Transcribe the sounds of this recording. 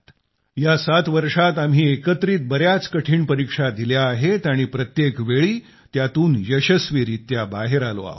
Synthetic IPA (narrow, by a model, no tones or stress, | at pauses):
jasat̪ʋəɾʂat̪am̤ɦiːekət̪ɾiːt̪̚bəɾjat͡skəʈʰiːɳpəɾikʂad̪iljaːɦet̪aɽ̃ipɾət̪jekʋeɭiː | t̪jat̪uːnjəɕəsʋiɾit̪jabaɦeɾalo̰a̰ɦ